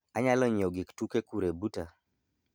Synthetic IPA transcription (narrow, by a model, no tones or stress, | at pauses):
aɲalɔɲoɡɪktukekuɾebuta